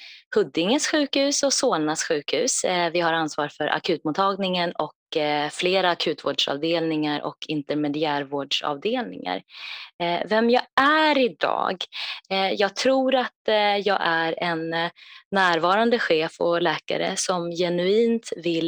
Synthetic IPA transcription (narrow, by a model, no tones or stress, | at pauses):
hɵd̪ːɪŋəsɧʉ̟ːkhʉ̟ːsɔsoːlnasɧʉ̟ːkhʉ̟ːsvɪhaɾansvɑːɾfœɾʔa̰kʰʉ̟ːt̪mʊːt̪ʰːɑːɡnɪŋənɔkfleːɾaːkʰʉ̟ːt̪vo̰ːɖʂɑ̰ːvd̪eːlnɪŋaɾʔɔ̰kʰɪnt̪ɛɾmɛd̪ɪæːɾvoːɖʂɑ̰ːvd̪eːlnɪ̰ŋa̰ɾ | vɛmjɑːæɾɪd̪ɑ̰ːɡ | jɑːɡ̚t̪ʰɾuːɾat̪jɑːɡʔæɾɛnː | æːɾvɑːɾand̪əɧeːfɔlɛːka̰ɾə̰sɔmjɛnɵiːnt̪vɪl